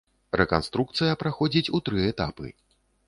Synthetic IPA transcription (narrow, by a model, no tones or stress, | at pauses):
ɾɛkanst̪ɾuk̚t̪sɨjɐpɾaxɔd͡zʲit͡sʲut̪ɾɨɛt̪a̰pɨ̰